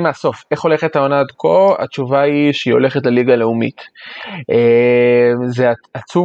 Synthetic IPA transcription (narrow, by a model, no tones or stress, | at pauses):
measo̞fe̞χo̞le̞χet̪ao̞naːd̪ko̞a̰t͡ʃuvaiʃeio̞le̞χetleliɡale̞umḭtʔe | mzeaat͡su